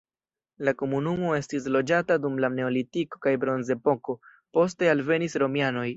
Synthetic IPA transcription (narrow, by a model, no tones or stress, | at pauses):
lako̞munumo̞e̞stislo̞d͡ʒatadumlane̞o̞litiko̞̥kajbɾo̞nze̞po̞ko̞ | po̞s̬te̞alve̞nisɾo̞miano̞j